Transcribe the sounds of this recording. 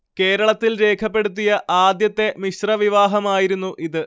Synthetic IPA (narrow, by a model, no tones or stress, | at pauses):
ke̞ːɾɐɭɐt̪ːilɾe̞ːkʰɐpːe̞ɽut̪̬ːijɐʔaːd̪jɐt̪ːe̞miɕrɐʋiʋaːɦɐmaːjiɾunːuʔʔiðɨ